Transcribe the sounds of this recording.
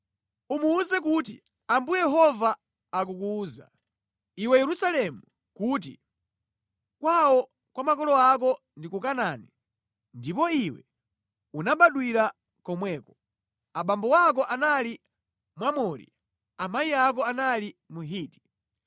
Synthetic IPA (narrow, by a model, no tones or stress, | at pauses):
umuːzɛk̬ut̬ḭ | ambujjɛɦɔvaː | k̬ukuːza̰ | iwɛjɛɾusalɛmu | kuːt̬ḭ | kwawɔ | kwamakɔlɔak̬ɔ | ndikukanani | ndipɔiwɛ̰ | unaɓaɗwiɾa | kɔmwɛːkɔ | aɓambɔwak̬ɔʔanali | mwamɔɾḭ | amaiak̬ɔanalimuɦiːti̥